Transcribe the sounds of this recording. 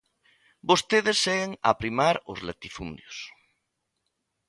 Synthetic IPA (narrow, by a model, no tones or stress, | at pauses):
bost̪eðesːeɣeŋa̰pɾimaɾo̰zlet̪ifṵnd̪jos